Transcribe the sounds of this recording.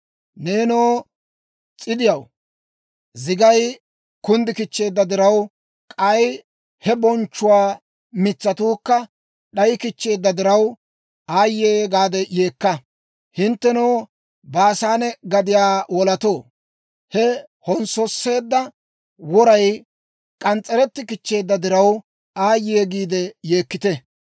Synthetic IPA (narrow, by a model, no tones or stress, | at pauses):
neːnoː | t͡sʼɪd̪ɪjɐw | zɪɡɐj | kʊnd̪ɪkɪt͡ʃːe̞ːd̪ːɐd̪ɪɾɐw | kʼɐj | hɛbɔnt͡ʃːʊwaː | mɪt͡sːɐt̪uːkːɐ | ɗɐjkɪt͡ʃːe̞ːd̪ːɐd̪ɪɾɐw | aːjːeːɡaːd̪ɛje̞ːkːɐ | hɪnt̪ːɛnoː | baːsaːnɛɡɐd̪ɪjaːwɔlɐt̪oː | hɛ | hɔnsɔsːe̞ːd̪ːɐ | wɔɾɐj | kʼɐnt͡sʼːɛɾɛt̪ːɪkɪt͡ʃːe̞ːd̪ːɐd̪ɪɾɐw | aːjeːɡiːd̪ɛjeːkːɪt̪ɛ